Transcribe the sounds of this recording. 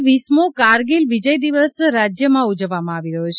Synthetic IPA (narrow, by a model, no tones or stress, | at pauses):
ʋismokaɾɡilʋid͡ʒəjd̪iʋəsɾad͡ʒjəmãud͡ʒəʋːamãaʋiɾəɦut͡ʃʰ